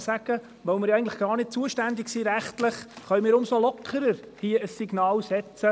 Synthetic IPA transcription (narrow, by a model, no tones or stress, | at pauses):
sæɡ̥ə | ʋœʊmɪɾjɛɪɡn̩tləχɡ̥ɑːɾnɪt̚t͡suəʃtænd̪ɪksiːɾæχt̪lɪχχœʏmɪːɾʊmsolɔkʰːəɾəɾ | hiəəsːiɡnɑːlsɛt͡sə